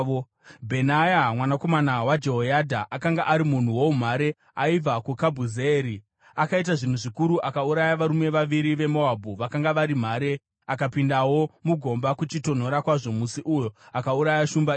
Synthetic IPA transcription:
bʱe̞najamwanako̞manawad͡ʒe̞ɦojadʱaʔakaŋɡaʔaɾimun̤uwo̞um̤aɾe̞ | aib͡vʱakukabʱuzeːɾi | akait̬aʐin̤uʐikuɾuʔakauɾajaʋaɾume̞ʋaʋiɾiʋe̞moabʱuʋakaŋɡaʋaɾim̤aːɾe̞ | akapindawo̞muɡʱo̞mbakut͡ʃito̞n̤o̞ɾakwaʐo̞musiʔujoakauɾajaʃumba

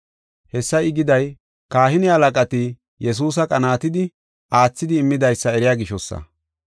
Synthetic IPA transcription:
hɛsːɐjɪɡɪd̪ɐj | kaːhɪnɪhɐlɐkʼɐt̪ɪ | jɛs̬uːs̬ɐkʼɐnaːt̪ɪd̪ɪ | aːt͡sːɪd̪ɪːmːɪd̪ɐjsːɐɛɾɪjaːɡɪʃɔsːɐ̰

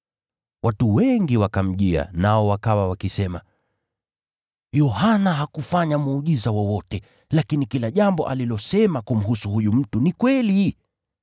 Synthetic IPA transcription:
wʔatuwɛŋɡiwakam̩ʄia̰naɔwakawawakisɛma̰ | jɔhanaɦakufaɲamuːɠizawɔwɔtɛ | lakinikilaʄambɔ̰ʔalilɔsɛmakum̩ɦusuhujum̩tunikwɛli

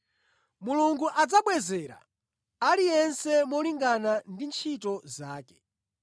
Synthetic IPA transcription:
muluŋɡuʔad͡zaɓwɛzɛːɾa̰ | alijɛnsɛmɔliŋɡanandint͡ʃʰitɔzaːkɛ̥

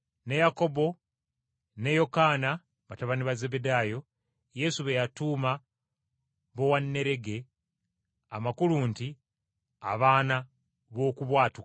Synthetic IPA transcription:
ne̞jako̞bo̞ | ne̞jo̞kaːna | βataβaniβaze̞bedaːjo̞ | je̞suβejatuːma | βo̞wanːe̞ɾe̞ɡe̞ | amakuluːnti | a̰βaːna | βo̞ːkuβwaːtuk

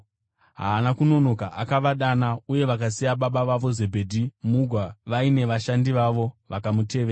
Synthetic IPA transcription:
ɦa̰ːnakuno̞no̞kaʔakaʋaɗanauje̞ʋakasijaɓaɓaʋaʋo̞ze̞bʱe̞dʱimuɡʱwaʋaine̞ʋaʃandiʋaʋo̞ʋakamute̞ːʋea

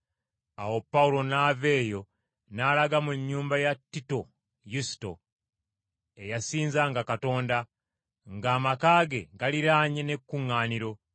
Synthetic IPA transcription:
awo̞pːawulo̞naːve̞ːjo̞ | naːlaɡamuɲːuːmbajatːito̞ | jusi̥to̞̰ | e̞jasiːnzaŋɡakato̞ːnda | ŋɡaːmakaːɡe̞ɡaliɾaːɲene̞kːuŋːaːniɾo̞

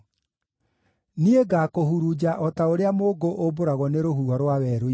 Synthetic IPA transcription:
nieɡaːkohuɾud͡ʑaʔɔtaoɾeamoːɡoʔoboɾaɣwɔneɾohuaɾwawɛɾo

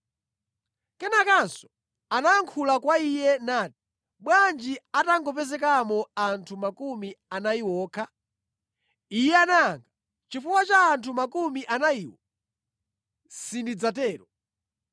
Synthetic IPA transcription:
kɛnakansɔ̥ | anaːŋkʰulakwaijɛnati̥ | ɓwand͡ʒiataŋɡɔpɛzɛkamɔantʰumakumianaiwɔːkʰa | ijɛanaːŋɡa | t͡ʃifuwat͡ʃaːntʰumakumiʔanaiːwɔ | sindid͡zatɛːɾɔ

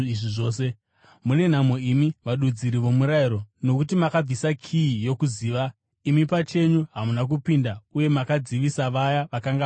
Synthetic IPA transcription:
iʐiʐo̞ːse̞ | mune̞n̤amoimiʋaɗud͡ziɾiʋo̞muɾaiɾo̞no̞kutimakab͡visakʰiːjo̞kuziːʋa | imipat͡ʃe̞ɲuɦamunak̬upindauje̞makad͡ziʋisaʋajaʋakaŋɡa

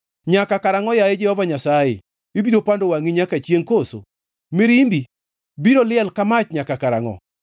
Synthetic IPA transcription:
ɲakakaɾaŋɔjajed͡ʒɛhɔvaɲasajḛ | ebiɾopandowaŋiɲakat͡ʃjeŋkoso̰ | miɾimbi | biɾolɪɛlkamat͡ʃɲakakaɾa̰ŋɔ̰

